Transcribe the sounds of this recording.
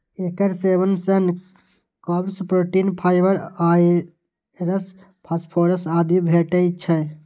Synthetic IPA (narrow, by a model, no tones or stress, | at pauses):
ekəɾsebənsən | kɔbɾspɾoːʈinpʰaːɪbəɾa | ɾəs | pʰaspʰoːɾəsaːd̪ibʱeʈəjt͡ʃʰɛ